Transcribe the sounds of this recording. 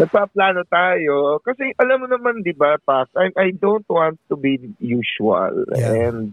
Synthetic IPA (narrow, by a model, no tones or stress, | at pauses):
nɐɡ̚paplaːnot̪aːjokɐsɛʔɐlɐmːʊnɐmand̪ɪbapasʔajmʔɐjd̪ownt̪̚wãnt̪ːubijuːʃʊɐ̰lɛnd̪̚